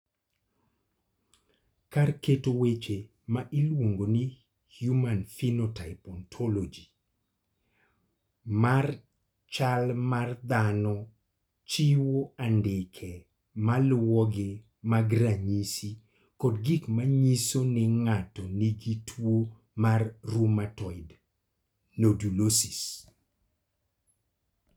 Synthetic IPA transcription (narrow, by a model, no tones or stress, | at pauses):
karketowet͡ʃe | maʔilwoŋɡoni | hjumanfinotaɪpɔntʰɔlod͡ʒi | mar | t͡ʃalmard̪anɔ | t͡ʃiwoandɪkʰɛ | malwɔɡɪ | maɡɾaɲisi | kɔdɡikmaɲisonɪŋatɔniɡitʰwo | marːumatɔɪd | nodulosis